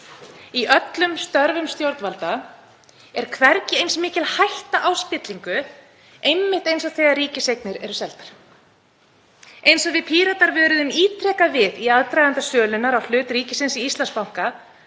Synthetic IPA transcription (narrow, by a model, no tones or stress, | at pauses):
iʔœt̪lʏmst̪œɾvʏmst̪jowɾt̪nvalt̪a | ɛɾ̥kʰvɛɾcɪejnsmɪːcɪlhajht̪aʔawspɪt̪liŋkʏ | ejmːɪht̪ejnsawθɛːɣariːcɪsejknɪɾɛɾʏsɛlt̪aɾ̥ | ejnsɔvɪðpʰiːɾat̪aɾvʏːɾʏðʏmiːt̪ʰɾɛːkavɪðiaðt̪ɾajðant̪asœːlʏnaɾawl̥ʏːt̪ɾiːcɪsɪnsiist̪lanspawŋ̥ka